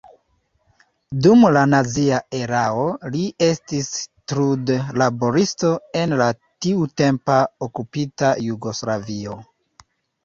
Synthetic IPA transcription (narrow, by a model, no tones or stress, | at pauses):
dumlanaziae̞ɾao̞lie̞stistɾudlabo̞ɾisto̞e̞nla | tiute̞mpaokupitajuɡo̞slavio̞